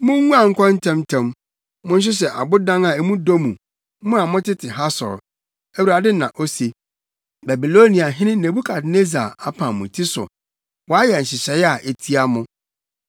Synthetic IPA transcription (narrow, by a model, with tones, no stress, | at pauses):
mʊ̃˦ŋũ˦a˨ŋ̩˦kʷʰɔ̃˦n̩˦tʰɛ̃˦mtʰɛ̃˦m | mʊ̃˦n̩˦ɕ̬ɪ˦ɕ̬ɛ˨ʔa˨bʊ˦dã˦ŋa˨e˨mũ˦do˦mũ˨˦ | mʊ̃˦a˨mʊ̃˦tʰɪ˦tʰɪ˨ɦa˦sɔ̰˨ɾ | æ˦wu˨ɾa˨dɪ˦nã̰˨ʔo˦se˨ | ba˨bi˨lo˦nĩ˨a˨ɦɪ̃˦nɪ̃˦nẽ˨bu˦kʰa˨dne˦za˨a˦pʰã˨mũ˨tʰi˦sʊ̰˨ | wɔ˨a˦jɛ˨ɕɪ˨ɕɛ˨˦ja˨ʔe˨tʰi˦a˦mʊ̃˦